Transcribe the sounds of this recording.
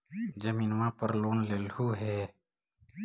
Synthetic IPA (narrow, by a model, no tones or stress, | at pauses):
d͡ʒəmiːnwãpəɾloːnleːlhuːɦɛː